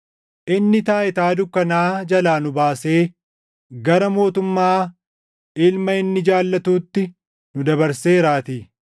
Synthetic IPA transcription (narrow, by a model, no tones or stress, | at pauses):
ʔɪnːɪt̪aːʔɪt̪aːd̪ʊkːɐnaːd͡ʒɐlaːnʊbaːse̞ː | ɡɐɾɐmo̞ːt̪ʊmːaː | ɪlmɐɪnːɪd͡ʒaːlːɐt̪uːt̪ːɪ | nʊd̪ɐbɐɾseːɾaːt̪iː